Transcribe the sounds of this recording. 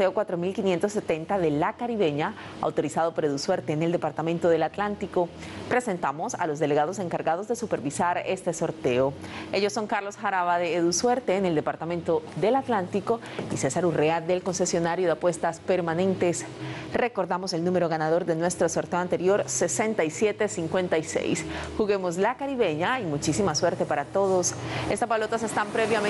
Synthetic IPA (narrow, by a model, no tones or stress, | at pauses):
eokwat̪ɾo̞milkinje̞nt̪osːe̞t̪e̞nt̪aðe̞lakaɾiβe̞ɲa | a̰wt̪o̞ɾisaðo̞po̞ɾeðuswe̞ɾt̪eːneld̪e̞paɾt̪ament̪o̞ðe̞lat̪lant̪iko̞pɾe̞se̞nt̪amo̞sa̰lo̞z̬ðe̞le̞ɣað̞o̞seŋkaɾɣaðo̞zðesupe̞ɾβisaɾe̞st̪eso̞ɾt̪e̞oe̞ʝosːo̞ŋkaɾlo̞sxaɾaβaðeːðuswe̞ɾt̪e̞ːne̞ld̪e̞paɾt̪amẽ̞nt̪o̞ðe̞lat̪lant̪iko̞ | ise̞saɾuread̪e̞lko̞nse̞sjo̞naɾjoðeapwe̞st̪aspe̞ɾmane̞nt̪e̞sre̞ko̞ɾðamo̞se̞lnũme̞ɾo̞ɣanaðo̞ɾd̪e̞nwe̞st̪ɾosoɾt̪e̞o̞ant̪e̞ɾjo̞ɾse̞se̞nt̪aisje̞t̪e̞siŋkwe̞nt̪aise̞̰jsxuɣe̞mo̞slakaɾiβe̞ɲaimut͡ʃisimaswe̞ɾt̪e̞paɾat̪o̞ðo̞se̞st̪aspalo̞t̪ase̞st̪ampɾe̞βjam